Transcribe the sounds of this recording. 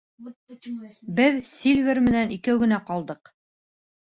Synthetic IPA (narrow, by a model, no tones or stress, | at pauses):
bɘðsʲilʲvʲeɾmɘ̆nænikæwɡɘ̆næqɑlˠd̪ɤq